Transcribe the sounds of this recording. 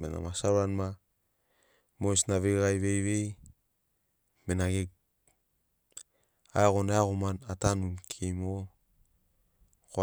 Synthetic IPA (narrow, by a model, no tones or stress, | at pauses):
mena̰masaɾwanma | mosnaβeɣajβejβej | menaɡek | aeɣonaaɣomanatanumkʰejmo | ko